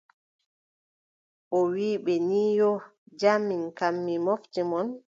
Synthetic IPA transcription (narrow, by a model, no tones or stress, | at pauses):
ʔɔwiːɓɛniːjɔ | d͡ʒamːinkamːimoftimɔn